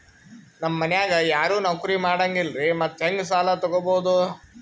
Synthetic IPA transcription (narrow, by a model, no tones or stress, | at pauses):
nɐmːɐnjaːɡɐjaːɾuːnɐkuɾimaːɽɐŋɡilɾimɐt̪ːɦeŋɡs̬aːlɐt̪ɔɡoboːud̪u